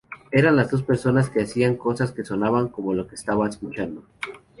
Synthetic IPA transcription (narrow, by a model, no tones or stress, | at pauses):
e̞ɾanlazd̪o̞s̬pe̞ɾso̞naske̞asiaŋko̞saske̞so̞naβaŋko̞mo̞lo̞keːst̪aβaeskut͡ʃand̪o̞